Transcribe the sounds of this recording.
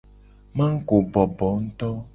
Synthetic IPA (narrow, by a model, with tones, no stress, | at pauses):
mã˦ŋ̩˦ko˨bɔ˨bɔ˨˦ŋ̩˦t̪ɔ˦